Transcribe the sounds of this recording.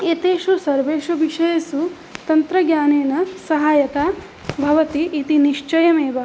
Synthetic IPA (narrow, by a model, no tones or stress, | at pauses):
eːt̪eːʃusɐɾʋeːʃubʱiʃɐjɐsu | t̪ɐnt̪ɾɐɡɲaːneːnɐsɐɦaːjɐt̪aː | bʱɐʋɐt̪iʔːt̪iniʂt͡ʃɐjɐmeːʋɐ